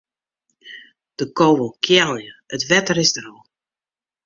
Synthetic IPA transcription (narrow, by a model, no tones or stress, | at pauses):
d̥əkowvəlˠkʰjɛlˠjəətʋɛtəɾɪsdəɾolˠ